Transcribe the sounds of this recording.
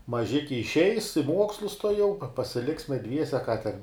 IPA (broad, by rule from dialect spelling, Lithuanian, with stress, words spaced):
mɐˈʒʲɪkʲɪ ɪʃʲˈɛɪs ɪ ˈmuɔkslˠʊs tuɔˈjɛʊ pɐ pɐsʲɪˈlʲɪksʲmʲɛ ˈdʲʋʲiɛsʲɛ kɑː tʲɛn